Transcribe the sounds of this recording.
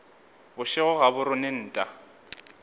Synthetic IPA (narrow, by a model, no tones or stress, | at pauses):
bʊʃɪɣʊɣabʊɾʊnen̩ːtʼa